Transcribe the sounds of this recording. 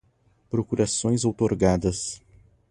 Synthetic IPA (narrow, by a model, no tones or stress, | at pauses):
pɾokuɾasõj̃zowt̪oɾɡad̪ɐs